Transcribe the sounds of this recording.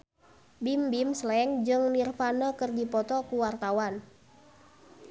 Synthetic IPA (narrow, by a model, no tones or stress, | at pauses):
bimbimslɛŋd͡ʒɨŋnirfanəkɨrdipɔt̪ɔkuwart̪awan